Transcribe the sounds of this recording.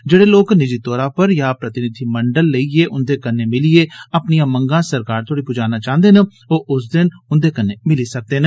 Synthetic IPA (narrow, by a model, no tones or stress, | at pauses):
d͡ʒeːɽeːloːknɪd͡ʒiːt̪ɔːɾãːpəɾjaːpɾət̪ɪnɪd̪ʰʱiːməɳɖəlːəiːeːʔʊnd̪eːkənːeːmɪlieːəpnijãːməŋɡãːsəɾkaːɾt̪ʰoːɽiːpʊd͡ʒaːnaːt͡ʃãːnd̪eːnə | oːʔʊs̬d̪ɪnʊnd̪eːkənːeːmɪliːsək̚d̪eːnẽ